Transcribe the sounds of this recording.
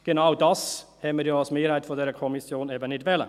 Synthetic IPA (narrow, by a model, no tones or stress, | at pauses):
ɡ̥ənaʊdɑshɛməɾjoːɑlsmeːɾhæɪtfɔdɛːɾəkʰɔmɪsjoːneːbənɪdʋɛlə̰